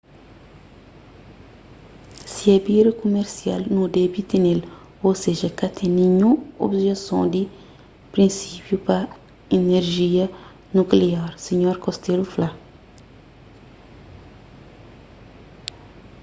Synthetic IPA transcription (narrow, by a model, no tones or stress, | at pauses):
siabiːɾikomɛɾsia̰lnũdɛbitinel | oseʒakatʰenĩɲũo̰bʒɛksɔ̃di | pɾĩnsipjupa | enɛɾʒija | nukleaɾsiɲɔɾkɔstelufla